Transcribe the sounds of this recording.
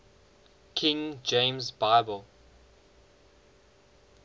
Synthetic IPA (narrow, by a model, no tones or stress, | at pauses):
kʰɪ̃ŋd͡ʒẽɪ̃mzbaɪbəlˠ